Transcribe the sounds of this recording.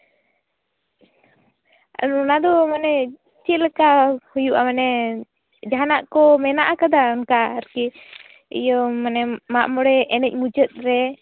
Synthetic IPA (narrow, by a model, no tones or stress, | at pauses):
nɔnad̪ɔmanɛ | t͡ʃilkahujuʔamanɛ | d͡ʒaɦanaʔkɔmɛnaʔakad̪aɔnkaəɾki | ḭjɔmanɛmaʔmɔɽɛʔɛnɛc̚ˀmud͡ʒət̪̚ɾɛ